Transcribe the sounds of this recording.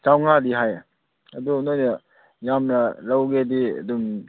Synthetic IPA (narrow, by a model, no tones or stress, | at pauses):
t͡ʃawŋadiɦaj | ɐdunojna | jamnaɾawɡediɐ̰dum